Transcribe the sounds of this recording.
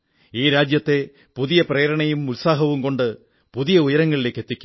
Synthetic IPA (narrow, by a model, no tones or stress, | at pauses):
iːɾaːd͡ʑjɐt̪ːe̞ | puðijɐpreːɐɾɐɳɐjumulsaːɦɐʋumko̞ɳɖɨ | puðijɐujɐɾɐŋːɐɭile̞ːkːe̞t̪ːikʲːu̥m